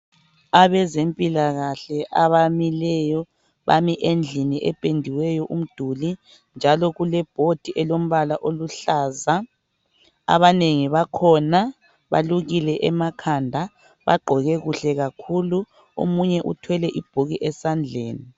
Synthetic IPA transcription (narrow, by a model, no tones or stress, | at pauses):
aβɛzempʼilaɣaɬɛʔaβamilɛjɔ | βa̰miʔend͡ɮʱiniʔɛpʼendʱiwɛjɔʔum̩d̥ʱuli | nd͡ʒʱalɔɣulɛb̥ʱod̥ʱiʔɛlom̩βalaʔoluɬaza | a̰βaneŋiβakʰɔna | βa̰luɣilɛʔɛmakʰandʱa | βa̰ɡ͡ǃʱɔɣɛɣuɬɛɣakʰulu | o̰muɲɛʔṵtʰwɛlɛʔib̥ʱuɣiʔɛsand͡ɮʱeːni